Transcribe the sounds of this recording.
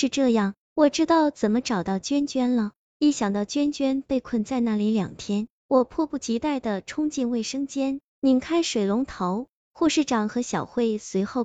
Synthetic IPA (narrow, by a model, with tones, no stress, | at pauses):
ʂɻ̩˥˧ʈ͡ʂɤ˥˧jɑ˥˩ŋ | wɔ˨˩ʈ͡ʂɻ̩˥t̪ɑ˥˩ʊt͡sə˨˩nmə˦ʈ͡ʂɑ˨˩ʊt̪ɑ˥˩ʊt͡ɕɥɛ˥nt͡ɕɥɛ˥nlə˨ | i˥˩ɕjɑ˨˩ŋt̪ɑ˥˩ʊt͡ɕɥɛ˥nt͡ɕɥɛ˥npe˥˧ɪkʰwə˥˧nt͡sa˥˧ɪna˥˩li˧˥ljɑ̰˨˩ŋt̪ʰjɛ˥n | wɔ˨˩pʰwɔ˥˧pu˥˩t͡ɕi˧˥t̪a˥˩ɪd̪ə˩ʈ͡ʂʰʊ˥ŋt͡ɕi˥˧nwe˥˩ɪʂɤ˥ŋt͡ɕjɛ˥n | ni˨˧˩nkʰa˥ɪʂwe˨˩ɪlʊ˧˥ŋt̪ʰo˧˥ʊ | xu˥˧ʂɻ̩˥˩ʈ͡ʂɑ˨˩ŋxɤ˧˥ɕjɑ˨˩ʊxwe˥˩ɪswe˧˥ɪxo˥˩˧ʊ